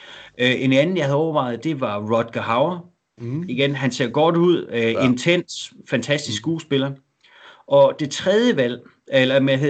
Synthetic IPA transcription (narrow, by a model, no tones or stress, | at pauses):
ʔe̝nænn̩jɑ̈hæð̩ˠɒʊɐʋɑ̈ɪð̩ˠd̥e̝ʋɑ̈ʁɒd̥ɡ̥ɐɦɑ̈ʊɐ | iɡ̥enɦænse̝ɐ̰ɡ̥ɒːd̥uð̞̰ˠe̝nt͡sʰen̰sfænt͡sʰæsd̥isɡɡ̥uːsb̥e̝lɐ | ʔɒ̽d̥e̝t͡sʰʁɛð̞ˠjəʋæl̰ | elɐmeɦe